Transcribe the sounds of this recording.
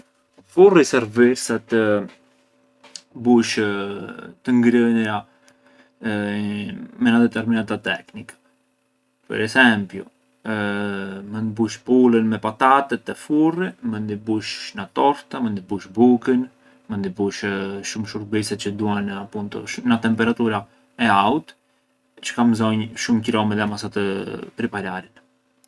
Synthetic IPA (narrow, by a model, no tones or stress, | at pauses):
furisɛɾviɾsat̪ə | buʃ | t̪əŋɡɾənɾa | mɛnad̪ɛt̪ɛɾminat̪at̪ɛknikḁ | pə̰ɾɛsɛmpjṵ | mənd̪ibuʃpulənmɛpat̪at̪ɛt̪ɛfurimənd̪ibuʃnat̪ɔɾt̪amənd̪ibuʃbukən | mənd̪ibuʃʃumʃuɾbisɛt͡ɕəd̪uhanapunt̪ɔ̰ʃnat̪ɛmpɛɾat̪uɾa | ɛaut̪ | t͡ʃə̥kamzɔɲʃumcɾɔmɛðɛamasat̪əpɾipaɾaɾin